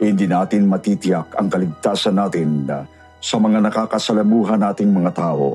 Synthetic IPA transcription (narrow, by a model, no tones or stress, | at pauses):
hɪnd̪iːnaːt̪ɪnmɐt̪it̪ɪjakɐ̰ŋkɐlɪɡ̚t̪aːsɐnːaːt̪ɪn | sɐmɐŋanɐkaːkɐsɐlɐmuːɦɐnːaːt̪ɪŋmɐŋat̪aːʔo̞̰